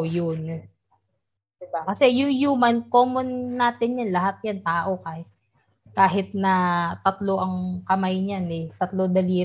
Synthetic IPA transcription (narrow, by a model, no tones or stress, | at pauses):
jon | d̪ɪbakɐsɛjʊŋjuːmɐnkoːmonːaːt̪ɪnjanlɐɦat̪̚jant̪aːʔo̞ka | kaːɦɪt̪̚nɐt̪ɐt̪lo̞ʔɐŋkɐmajɲanɛt̪ɐt̪lod̪ɐliː